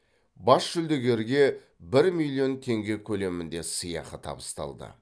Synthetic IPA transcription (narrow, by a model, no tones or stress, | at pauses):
bɑsʃʏld̪eɡʲe̞ɾɡʲe̞ | bɪɾmilʲːio̞nt̪ʰe̞ŋɡʲe̞kʲʰɵle̞mɪnd̪e̞səjɑ̰qət̪ʰɑ̰bəst̪ɑ̰lˠd̪ə̰